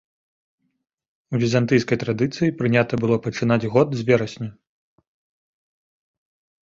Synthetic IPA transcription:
uvʲizant̪ɨjskɐjt̪ɾad̪ɨt̪sɨjipɾɨnʲat̪ɐbɨlˠɔpɐt͡ʂɨnad͡zʲɣɔd̪zʲvʲɛɾɐsʲnʲɐ

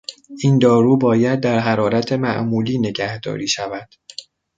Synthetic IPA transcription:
ʔiːnd̪ɒːɾuːbɒːjæd̪̚ːæɾɦæɾɒːɾæt̪ʰe̞mæʔmuːliːne̞ɟæhd̪ɒ̰ːɾiːʃævæd̪̥

